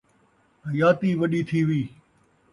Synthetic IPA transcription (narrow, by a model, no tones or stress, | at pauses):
ɦəjaːt̪iːʋɐɗiːt̪ʰiːʋiː